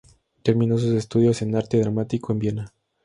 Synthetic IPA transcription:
t̪e̞ɾmĩnos̬use̞st̪uð̞jo̞se̞naɾt̪eðɾamat̪iko̞embjena

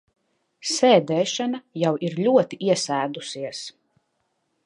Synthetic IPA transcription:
sɛːd̪ɛːʃanajawiɾlʲuɔt̪iʔiɛsæːd̪usiɛs

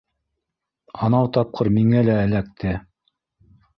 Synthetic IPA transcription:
ɑnɑwt̪ɑp̚qʰɤɾmiŋælæːlæk̚t̪ɘ

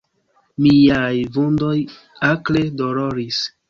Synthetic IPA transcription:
mijajvundo̞j | akledoloɾis

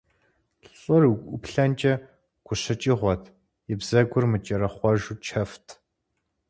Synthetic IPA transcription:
ɬʼɨruɡʷʊpɬɐnt͡ʃʼɐ | ɡ̥ʷʊɕɐt͡ʃʼiʁʷɔtʰ | jɪbz̥ɐɡʷʊrmɨt͡ʃʼɐɾɐχʷɔʒut͡ʃʰɐftʰ

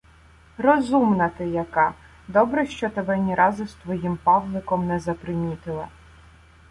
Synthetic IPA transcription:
rɔzumnɐt̪ɪjɐkɑ | d̪ɔbɾɛʃt͡ʃɔt̪ɐbɛnʲiɾʔɑzɪst̪ʋɔjimpɑʋlˠɪkɔmnɛzɐpɾɪmʲit̪ɪlˠɐ

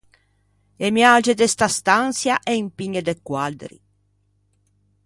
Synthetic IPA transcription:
emjaːd͡ʒed̪est̪ast̪ansjaʔɛimpiɲed̪ekːwald̪ɾḭ

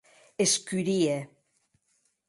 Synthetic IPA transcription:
eskyɾie

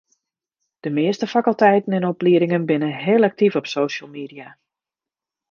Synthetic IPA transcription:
d̥əmɪəstəfakəlˠtɛjtən̩ɛnɔpliəɾɪŋənbɪnənɦeːlˠak̚tivɔpsoːʃəlˠmiːdija

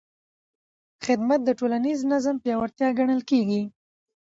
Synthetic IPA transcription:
xɪd̪mat̪̚d̪əʈolaniznazəmpjɑwaɾt̪jɑɡaɳəlkeɡi

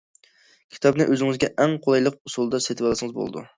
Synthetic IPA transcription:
kʲʰi̥t̪ʰɒbnɪʔøzɪŋɪzɡʲɛʔæŋqʰolˠɑjlˠəq̚ʊsulˠd̪ɑset̪ʰɪbɑlˠsɪŋɨzbo̰l̰ˠd̪ṵ

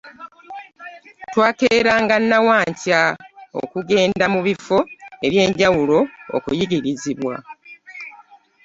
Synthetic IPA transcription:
twaːkeːɾaːŋɡanːawaːɲcao̰kuɡe̞ːndamuβifo̞e̞βje̞ːɲɟawulo̞o̰kujiɡiɾiziβwa̰

